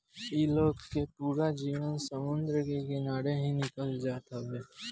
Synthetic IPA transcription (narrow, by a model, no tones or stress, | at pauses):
iːloːɡkːepuːɾad͡ʒiːʋənsəmʊ̃nd̪ɾəkekenaːɽeɦĩnɪkəld͡ʒaːt̪abɛː